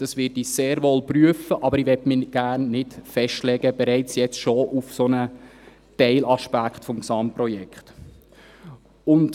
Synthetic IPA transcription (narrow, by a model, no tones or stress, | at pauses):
d̥ɑsʋɪtiseːɾʋɔlpryəfəʔɑbəɾiʋɛtmɪɡ̥æːrnːɪtfɛʃtlɛɡəb̥ɛɾɛɪt͡sjɛt͡stʃoufsonə | tɛɪlɑʃpækχtfɔmksɑmprɔjɛkχt | ʊnt